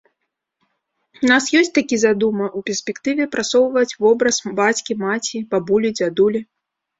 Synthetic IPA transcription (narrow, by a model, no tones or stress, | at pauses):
unasjɔsʲtʲt͡sʲt̪akʲizad̪umɐʔupʲɪrsʲpʲɛkt̪ɨvʲɛpɾat̪sɔwvɐt͡sʲvɔbɾɐsbat͡sʲkʲimat͡sʲibabulʲid͡zʲad̪ulʲi